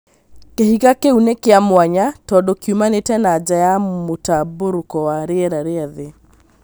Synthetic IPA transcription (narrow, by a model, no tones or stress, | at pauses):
kehiɣakeunekeamwaɲatɔdɔkiumanetɛnad͡ʒajamotaboɾokɔwaɾeɛɾaɾeaðe